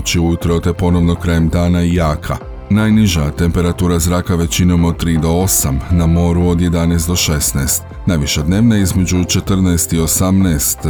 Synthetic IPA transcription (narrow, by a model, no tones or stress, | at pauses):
t͡ɕiujut̪ɾot̪e̞po̞no̞ʋno̞kɾajemd̪aːnaijaːkʰa̰ | naːjniʒat̪e̞mpe̞ɾat̪uːɾazɾaːkaʋe̞t͡ɕino̞mo̞d̪̚t̪ɾiːd̪o̞osamnamo̞ːɾuo̞d̪je̞d̪anɛːst̪d̪o̞ʃe̞snɛːst̪ | najʋiʃad̪ne̞ːʋnaizme̞d͡ʑut͡ʃe̞t̪r̩nɛːst̪io̞samnɛːst̪